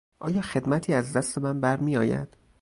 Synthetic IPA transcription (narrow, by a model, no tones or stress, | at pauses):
ʔɒːjɒːxe̞d̪mæt̪ʰiːæzd̪æst̪e̞mænbæɾmiːjɒːjæ̰d̪̥